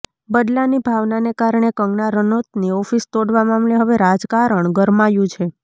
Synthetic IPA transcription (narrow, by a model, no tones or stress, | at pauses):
bəd̪lanibʱaʋnanekaɾɳekəŋɡnaɾənot̪niɔfist̪oɽʋamamleɦəʋeɾad͡ʒkaɾəɳɡəɾmajũt͡ʃʰe